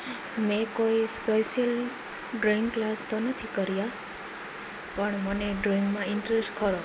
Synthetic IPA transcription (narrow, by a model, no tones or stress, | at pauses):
mɛ̃koispejʃəl | ɖɾiŋɡklast̪onət̪ʰikəɾija | pəɳməneɖɾɔiŋɡmãɪɳʈɾesʈkəɾo